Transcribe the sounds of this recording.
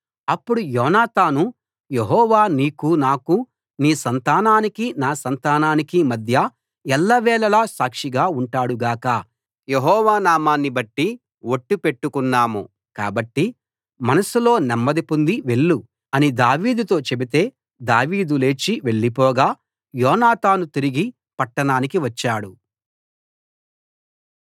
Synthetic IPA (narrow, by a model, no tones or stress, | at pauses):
ɐpːuɽujɔːnaːt̪aːnu | je̞ɦɔːʋaːniːkunaːku | niːsɐnt̪aːnaːnikinaːsɐnt̪aːnaːnikimɐd̪ʱjɐ | ɛlːɐʋɛːɭɐlaːsaːkʂiɡaːuɳʈaːɽuɡaːkɐ | je̞ɦɔːʋaːnaːmaːnːibɐʈːi | wo̞ʈːupe̞ʈːukunːaːmṵ | ka̰ːbɐʈːi | mɐnɐsulo̞ːnɛmːɐd̪ipund̪iʋe̞ɭːu | ɐnid̪aːʋiːd̪ut̪o̞ːt͡ʃe̞bit̪e̞ː | d̪aːʋiːd̪ule̞ːt͡ʃiʋe̞ɭːipɔːɡaː | jɔːnaːt̪aːnut̪iɾiɡi | pɐʈːɐɳaːnikiʋɐt͡ʃːaːɽu